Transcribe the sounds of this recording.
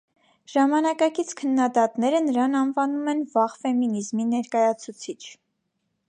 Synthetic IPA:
ʒ̥ɑmɑnɑkɑkit͡sʰkʰənːɑd̪ɑt̪nɛɾənəɾɑnɑnvɑnumɛnvɑʁfɛminizminɛɾkɑjɑt͡sʰut͡sʰit͡ʃʰ

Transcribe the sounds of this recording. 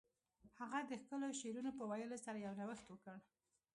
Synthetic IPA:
haɣad̪əxkəloʃeɾunopəwajəlosaɾajawɾawəxt̪wəkəɽ

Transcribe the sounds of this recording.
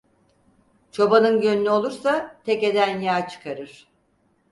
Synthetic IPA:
t͡ʃʰo̞banɯnɟønynyo̞lˠuɾsat̪ʰɛce̞d̪ænjaːt͡ʃʰɯ̥kʰaɾɯɾ̥

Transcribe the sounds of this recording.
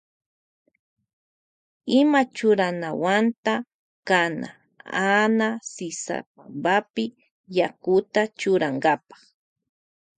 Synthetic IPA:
ɪmat͡ʃʊɾanawant̪a | kana̰ | anasɪsa̰p̚ambapɪ | jakʊt̪at͡ʃʊɾaŋɡapɑ̥χ

